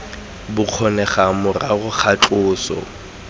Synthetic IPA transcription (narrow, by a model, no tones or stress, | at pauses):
bʊq͡χʰɔnɛχamʊraɣʊk͡xʰat͡ɬʊːsɔ̰